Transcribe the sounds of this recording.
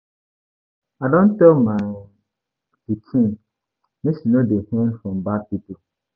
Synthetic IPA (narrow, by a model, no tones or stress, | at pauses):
adõntɛlmã | ditʰĩn | nẽsinõdehɛ̃nfɹɔ̃mbad̚pipol